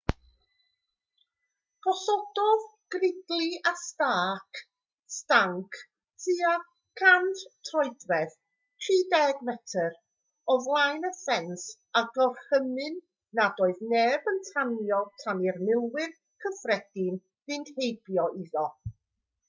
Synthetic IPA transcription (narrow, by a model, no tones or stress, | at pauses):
ɡ̥ɔsɔdɔðɡ̥rɪdlˠiastaːkʰ | staŋkʰ | tʰia | kʰanttʰrɔɨdrɛð | tʰriːdɛɡvɛtʰər | ɔvlˠajnəfɛns | aɡɔrhəmɨnː | adoːɨðneːbəntʰanjɔtʰanɪrmɪlˠwɨr | kʰəfrɛd̥ɪn | vɨnd̥hejbjɔiðɔ